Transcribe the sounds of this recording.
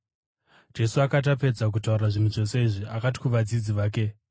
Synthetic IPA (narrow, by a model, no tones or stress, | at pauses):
d͡ʒe̞suakat̬ape̞d͡zak̬utaurraʐinuʐo̞se̞iʐiakati̥kuʋad͡zid͡ziʋaːk̬e̞